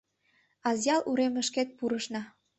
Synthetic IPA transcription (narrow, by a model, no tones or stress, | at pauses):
ɑzjɑluɾeməʃket̪̚puɾəʃnɑ